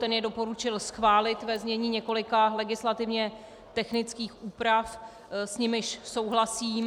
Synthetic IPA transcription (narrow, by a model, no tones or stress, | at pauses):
t̪ɛnjɛdo̞po̞ɾut͡ʃɪlsxvaːlɪt̪vɛzɲɛɲiːɲɛko̞lɪkalɛɡɪslat̪ɪvɲɛ | t̪ɛxnɪt͡skiːxʔuːpɾaf | sɲɪmɪʃso̞wɦlasiːm